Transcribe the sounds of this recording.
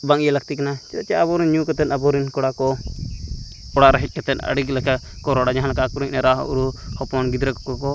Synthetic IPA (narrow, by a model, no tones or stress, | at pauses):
baŋijɛlak̚t̪ikanat͡ʃɛt͡ʃɛabɔɾinɲukɔt̪ɛnabɔɾinkɔɽakɔ | ɔɽaɾɛɦɛc̪̚ˀkɛt̪ɛnə̰ɽiklɛka | kɔɾɔɽad͡ʒaɦãlakakuɾiɲnɛɾaɦṵɾuhɔpɔnɡid̪ɾɛkɔkɔkɔ